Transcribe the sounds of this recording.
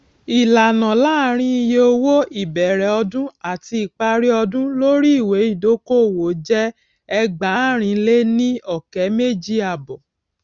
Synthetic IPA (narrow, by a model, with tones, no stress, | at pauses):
i˨la˨nã˨laː˦˨ɾ̃ĩ˦i˧je˧o˧wo˦i˨bɛ˨ɾɛ˨ɔ˧dũ˦a˦˨ti˧i˨k͡pa˧ɾi˦ɔ˧dũ˦lo˦ɾi˦i˦˨we˨˦i˦˨do˦ko˦˨wo˨d͡ʒɛ˦ | ɛ˧ɡ͡ba˨˦˨ɾ̃ĩ˨˧le˦nĩ˦ɔ˦˨kɛ˨˦me˦˨d͡ʒi˦a˨bɔ˨